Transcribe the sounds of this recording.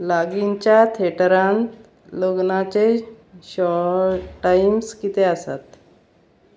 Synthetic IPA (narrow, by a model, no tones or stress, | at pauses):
laɡiɲt͡ɕjat̪ʰeʈɾan | loɡnat͡ɕe | ɕɔʈaimskit̪easa̰t̪